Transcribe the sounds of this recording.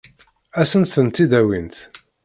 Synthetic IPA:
æsənt̪θənt̪id̪æwint̪

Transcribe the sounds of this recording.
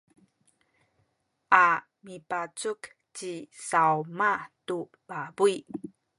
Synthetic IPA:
ʔa | mipat͡suk | t͡ɕisawmatu | b̥abui

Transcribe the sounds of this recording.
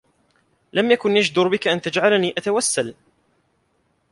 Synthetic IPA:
lamjakʊnjad͡ʒd̪ʊɾbɪkʔant̪ad͡ʒʕalniːʔat̪awasːal

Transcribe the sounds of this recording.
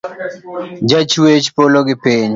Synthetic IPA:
d͡ʒat͡ʃwet͡ʃpoloɡɪpiɲ

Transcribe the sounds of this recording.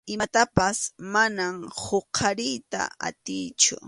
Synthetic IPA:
ɪmat̪apasmanamhoqʰaɾɪjt̪a̰a̰t̪ɪjt͡ʃʊ̰

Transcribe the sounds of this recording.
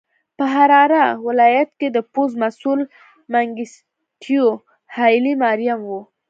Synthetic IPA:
pəɦaɾɑɾawɪlɑjat̪̚ked̪əpozmasul | maŋɡis | t̪ʰijo | hajlimɑɾijamwu

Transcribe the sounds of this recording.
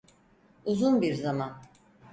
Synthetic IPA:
uzunbiɾzaman

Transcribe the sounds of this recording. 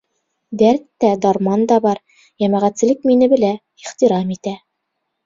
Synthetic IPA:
d̪æɾt̪ːæd̪ɑɾmɑnd̪ɑbɑɾ | jæmæʁæt̪sɘ̆lɘk̚minɘbɘ̆læ | iχt̪iɾɑmit̪æ

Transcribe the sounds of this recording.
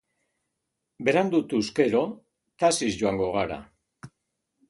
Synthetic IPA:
be̞ɾand̪ut̪uske̞ɾo̞ | t̪asisʝoaŋɡo̞ɣ̞aɾa̰

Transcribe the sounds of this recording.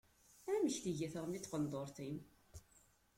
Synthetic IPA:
ɾæməʃt̪iʝæθəʁmit͡sːqəld̪ˤoɾˤθim

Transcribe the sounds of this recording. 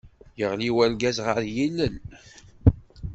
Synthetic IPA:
jəʁliwælɡæzʁəɾjilːən

